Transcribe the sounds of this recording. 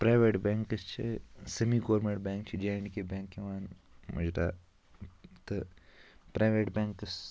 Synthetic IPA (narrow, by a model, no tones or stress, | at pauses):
pɾaːjʋeːʈbẽːŋkɐst͡ʃʰisɐmiːɡoːɾmeɳʈ̚bẽːŋk̚t͡ʃʰid͡ʒeːɳkebẽːŋkeʋaːn | mṵd͡ʒɾa̰ | t̪ɨ | pɾaːjʋeːʈbẽːŋkɐs